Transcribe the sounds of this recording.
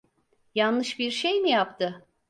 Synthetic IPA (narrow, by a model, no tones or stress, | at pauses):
janlˠɯʃbiɾʃejmijapt̪ʰɯ